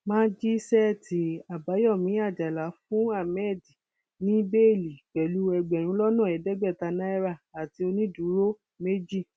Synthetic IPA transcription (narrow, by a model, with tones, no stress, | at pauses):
mãː˦d͡ʒi˦sɛ˦˨tʰi˨˦a˨ba˨˦jɔ˦˨mĩ˨˦a˦˨d͡ʒa˨la˨˦fũ˦a˦˨mɛ˦˨di˨ | nĩ˨˦be˦˨li˨k͡pɛ˨lu˦ɛ˧ɡ͡bɛ˨ɾ̃ũ˨˦lɔ˦nã˦˨ɛ˨˦dɛ˦ɡ͡bɛ˦˨ta˧nã˦ɛ˦ɾa˦˨a˨ti˧o˧nĩ˦du˨˦ɾo˦ | me˦d͡ʒi˦˨